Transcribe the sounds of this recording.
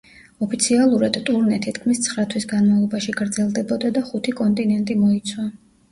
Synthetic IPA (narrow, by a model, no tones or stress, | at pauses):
ɔpʰit̪sʰialˠuɾad̪̥t̪ʼuɾnɛt̪ʰit̪kʰmist̪sʰχɾat̪ʰwisɡanmavlˠɔbaʃiɡɾd̪zɛlˠd̪ɛbɔd̪ad̪aχut̪ʰikʼɔnt̪ʼinɛnt̪ʼimɔit̪sʰwa